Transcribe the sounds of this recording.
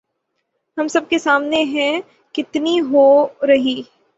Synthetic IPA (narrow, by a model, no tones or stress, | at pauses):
ɦɐmsɐb̚kesaːmneɦɛ̃ | kɪt̪niɦoɾɐɦiː